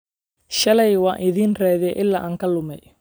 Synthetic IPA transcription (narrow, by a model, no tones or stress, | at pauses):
ʃɐlɛjwɑːʔɪðiːnrɛːðɪɛʔɪlːa̰ːʔaːŋkʰɐlʊmɛj